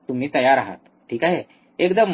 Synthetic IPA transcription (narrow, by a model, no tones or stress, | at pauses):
t̪um̤iːt̪əjaɾaɦa̰t̪ | ʈʰiːkaɦɛ | ekd̪əm